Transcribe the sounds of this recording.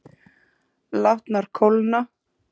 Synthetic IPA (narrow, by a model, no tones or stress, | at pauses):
laht̪naɾ̥kʰolna